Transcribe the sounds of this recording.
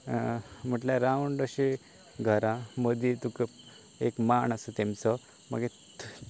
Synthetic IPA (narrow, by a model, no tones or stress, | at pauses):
m̤əʈlãɾawɳɖəɕe | ɡʱəɾãməd̪it̪ukə | ekmaɳasət̪emt͡sɔ | ma̰ɡe